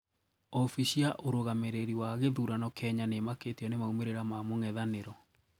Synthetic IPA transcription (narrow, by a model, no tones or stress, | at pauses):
ɔfiɕiaʔoɾoɣameɾeɾiwaɣeðuɾanɔkʰɛɲanemaketiɔnemaumeɾeɾamamoŋɛðaneɾɔ